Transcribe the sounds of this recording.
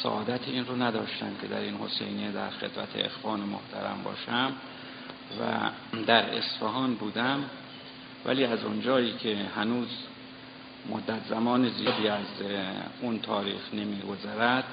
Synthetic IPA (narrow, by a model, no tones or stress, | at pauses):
sæ̰ʔɒːd̪æt̪ʰiiːnronæd̪ɒːʃt̪æmcʰe̞d̪æ̰ɾinho̞sḛjned̪æ̰ɾxe̞d̪bæt̪ʰḛḛxfɒːnemo̰ht̪ʰæ̰ɾæ̰mbɒ̰ːʃæm | væ̰ | d̪æɾe̞̰sfeɦɒːnbuːd̪æm | væ̰liːæzo̰nd͡ʒɒːiːcʰe̞hænuːz | mo̰d̪ːæt̪ʰzæmɒːnezib̪iːæz | unt̪ʰɒːɾḭːxnemiːɡo̞zæɾæd̪̥